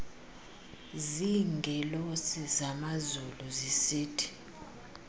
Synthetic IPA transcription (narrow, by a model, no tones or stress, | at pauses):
ziŋɡʱɛlosizamazuluzisiːtʰi̥